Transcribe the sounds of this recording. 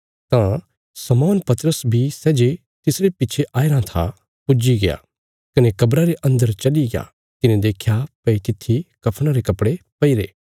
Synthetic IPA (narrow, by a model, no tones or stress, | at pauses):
t̪ã | sɐmɔːnpɐt̪əɾəsbʱisɛːd͡ʒe | t̪ɪsɾepɪːt͡ʃʰeʔaːeɾãt̪ʰa | pʊd͡ʒiɡɐja̰ | kɐnekɐbɾaɾeʔɐ̃nd̪əɾt͡ʃɐliɡja̰ | t̪ɪnẽd̪eːkʰjapɐit̪ɪt̪ʰːikɐpʰɽ̃ãɾekɐpɽepɐiɾḛː